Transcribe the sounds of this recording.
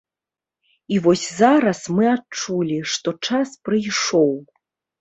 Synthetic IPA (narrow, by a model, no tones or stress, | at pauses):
ivɔsʲzaɾɐsmɨatt͡ʂulʲiʂt̪ɔt͡ʂaspɾɨjʂɔw